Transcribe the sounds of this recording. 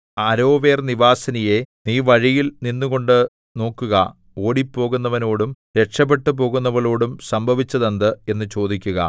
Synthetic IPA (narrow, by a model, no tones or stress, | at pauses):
ɐɾo̞ːʋe̞ːrniʋaːsɐnije̞niːʋɐɻijilninːuɣo̞ɳɖɨ | no̞ːkːuɣɐ̰ | o̞ːɽipːo̞ːɣunːɐʋɐno̞ːɽum | ɾe̞ʈʂɐp̬ːe̞ʈːɨpo̞ːɣunːɐʋɐɭo̞ːɽumsɐmbʱɐʋit͡ɕːɐðɐnd̪ɨe̞nːɨt͡ɕo̞ːd̪ikʲːuɣɐ̰